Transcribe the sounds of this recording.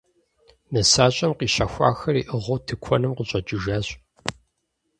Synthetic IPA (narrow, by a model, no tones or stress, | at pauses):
nɐsaːɕʼɐmqiːɕɐxʷɑ̰ːxɐrḭːʔɨʁowtʰɨkʷʰɔnɨmqəɕʼɐt͡ʃʼɨʒaːɕʼ